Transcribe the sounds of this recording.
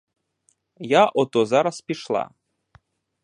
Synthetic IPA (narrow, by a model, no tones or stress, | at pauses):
jaʔɔt̪ɔzaɾaspʲiʃlˠa̰